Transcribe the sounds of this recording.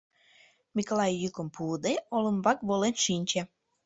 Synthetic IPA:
mʲikolˠɑjːykə̆mpuːd̪eolə̆mbɑkβolenʃinʲt͡ɕe

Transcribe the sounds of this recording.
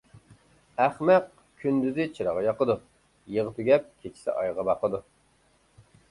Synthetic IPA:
æχmɛq̚ | kʲʰynd̪yzɪt͡ʃʰiɾɑʁɑjɑqəd̪u | jəʁəpɪɡʲɛp̚kʲʰet͡ʃʰi̥sɪ̰ʔɑjʁɑbɑqəd̪u

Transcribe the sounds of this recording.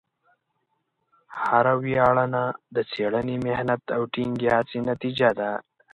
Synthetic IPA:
haɾawjɑːɭanad̪ət͡seɽənemehnat̪awʈiŋɡjɑt͡sinat̪id͡ʒad̪a

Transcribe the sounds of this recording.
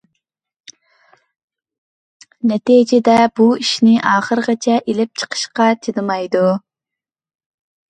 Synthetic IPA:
nɛt̪id͡ʒɪd̪ɛbuiʃnɪʔɑːχəɾəʁɑt͡ʃʰɛʔelɪp̚t͡ʃʰə̥qʰə̥ʃqɑt͡ʃ̪ʰinɨmɑjd̪u

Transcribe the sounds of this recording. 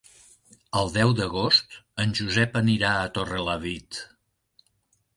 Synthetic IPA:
əlˠd̪ɛwd̪əɣ̞ost̪ənʲʒuzɛpəniɾaət̪orələβit̪

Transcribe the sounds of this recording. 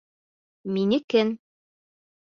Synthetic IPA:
minɘkɘn

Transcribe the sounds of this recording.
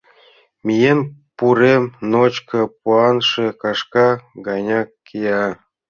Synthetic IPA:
mʲijenpuɾemnot͡ɕkɤ̆puɑnʂĕkɑʂkɑɡɑjnʲɑkʲː | ijɑ

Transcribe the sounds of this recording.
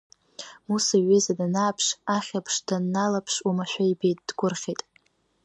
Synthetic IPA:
musaɥezadanaːpʰʂaχʲapʰʂdanːalapʰʂumaʃʷᶣaibejtʼd̥ɡʷʊrχʲejtʼ

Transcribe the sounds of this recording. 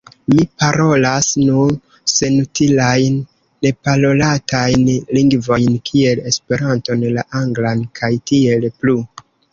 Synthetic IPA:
mipaɾo̞lasnun | se̞nutilajnː | e̞palo̞latajnliŋɡvo̞jnkʰie̞le̞spe̞ɾanto̞nlaʔaŋɡlankʰajtie̞lplu

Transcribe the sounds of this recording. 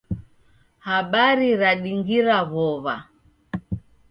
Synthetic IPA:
haɓaɾiɾaɗiŋɡiɾaβɔβa̰

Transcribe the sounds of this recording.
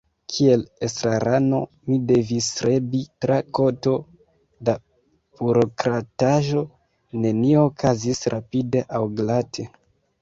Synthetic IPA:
kʰie̞lesɾaɾano̞ | mide̞visɾebitɾʔakoto̞ | da | b̥uɾo̞kɾataʒo̞ | ne̞nioːkʰazisɾapide̞ʔawɡlatʰe̞

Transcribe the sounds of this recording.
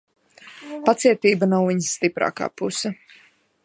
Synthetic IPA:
pat̪siɛt̪iːbanawviɲsːt̪ipɾa̰ːka̰ːpusa

